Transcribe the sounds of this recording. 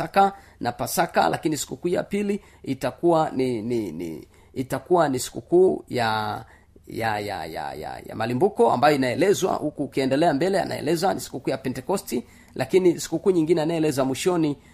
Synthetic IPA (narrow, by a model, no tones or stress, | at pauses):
aka | napasaka̰lʔakinisi̥kukuːja̰pili | itakuwanininḭ | itakuwanisi̥kukuːja | jaja̰ja̰ja̰ja̰malimbukɔa̰mbajɔinaɛlɛzwa̰hukukiɛndɛlɛambɛlɛa̰nʔa̰ɛ̰lɛzwanisi̥kukuːjapɛntɛkɔsti | lʔakinisi̥kukuːɲiŋɡinɛanaɛlɛzamwiʃɔni